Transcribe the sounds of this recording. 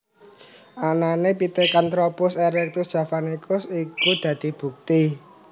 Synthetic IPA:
ʔananepit̪ekant̪ɾɔpʊseɾɛk̚t̪usd̥ʒ̥ä̤fanikʰʊsikud̪̥ä̤d̪̥i̤b̥ṳk̚t̪i

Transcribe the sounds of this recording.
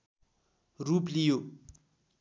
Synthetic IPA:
ruplijo

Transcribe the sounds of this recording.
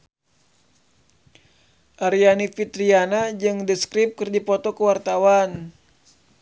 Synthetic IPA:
ʔaɾianifit̪ɾianad͡ʒɨŋdəskɾip̚kɨrd͡ʒipɔt̪ɔkəwart̪awan

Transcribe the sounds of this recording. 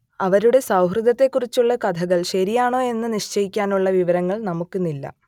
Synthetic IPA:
ɐʋɐɾuɽe̞sɐwɦrɨd̪ɐt̪ːe̞kːurit͡ɕːuɭːɐkɐd̪ʰʱɐɣɐɭɕɐɾijaːɳo̞ːe̞nːɨniʂt͡ɕɐjikʲːaːnuɭːɐʋiʋɐɾɐŋːɐɭnɐmukːɨnilːɐ̰

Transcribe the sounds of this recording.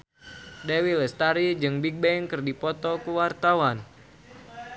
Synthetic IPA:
dɛwilɛst̪aɾid͡ʒɨŋbik̚bɛŋkɨrdipɔt̪ɔkuwart̪awan

